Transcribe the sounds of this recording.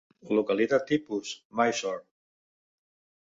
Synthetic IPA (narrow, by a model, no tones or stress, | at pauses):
lukalit̪at̪ːipusmajsɔɾt̪